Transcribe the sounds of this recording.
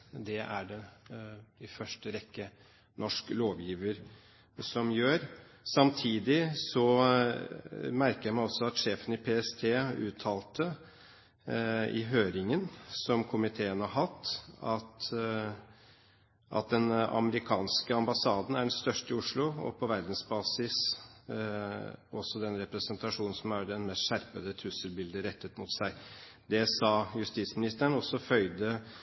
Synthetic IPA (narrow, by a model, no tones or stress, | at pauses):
d̪ɛʔæɖɛ | ɪfœʂʈəɾɛkːə | nɔʂkloːʋjiːʋəɾ | sɔmjøːɾ | sɑmt̪ʰiːd̪ɪsɔ | mæɾkəjæmɑɔsɔɑt̪ʂeːfənɪpʰeɛst̪ʰeːʉːt̪ʰːɑːlt̪ə | ɪ̰ɦøːɾɪŋənsɔmkʰʊmɪt̪ʰeːənhɑɦɑt̪ːɑt̪ | ʔɑ̰t̪̚d̪ɛnɑ̰məɾɪkʰɑːnskəɑmbɑsɑːd̪n̩æɖɛnst̪œʂʈəɪʊʂlʊɔ̰pʰɔʋæɾd̪n̩sbɑːsɪs | ʔɔsːɔd̪ɛnɾɛpɾɛsənt̪ʰɑʂuːnn̩sɔmæɖ̪ɛnmɛst̪ʃæɾpəd̪ət̪ʰʉsəlbɪld̪əɾɛt̪ːət̪mʊt̪sæɪ | d̪ɛsɑːjʉst̪iːt̪smɪnɪst̪əəɳɔsːɔfœʏd̪ə